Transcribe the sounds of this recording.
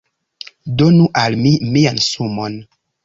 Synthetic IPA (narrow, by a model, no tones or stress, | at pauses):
donuʔalmimiansumon